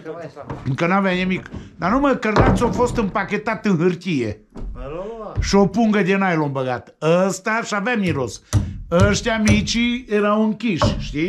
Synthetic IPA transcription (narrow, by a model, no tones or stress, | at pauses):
kənavɛɲəmikd̪anuməkəɾnat͡ssofost̪əmpaket̪at̪ɨnɦəɾt̪ʲiḛ | ʃopuŋɡəd̪ʲenajlombəɣat̪əst̪aʃavɛmiɾosəʃt̪ʲamit͡ʃieɾauŋkiʃʃt̪i